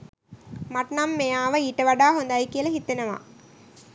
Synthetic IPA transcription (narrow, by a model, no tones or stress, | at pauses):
mɐʈnamːejaːʋɐiːʈːɐʋɐɖaːɦond̪ajkijɐlɐɦit̪ːenɐʋa̰ː